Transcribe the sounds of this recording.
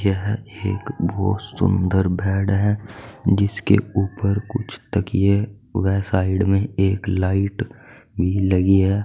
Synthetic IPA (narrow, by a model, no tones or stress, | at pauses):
jeɦḛːkbɔːt̪sʊ̰̃nd̪əɾbʱɛːɽɦɛd͡ʒɪskḛuːpəɾkʊ̰t͡ʃʰt̪ɐkje | ʋɛːsaːɪɖmẽeːklaːɪʈbʱilɐɡiɦɛː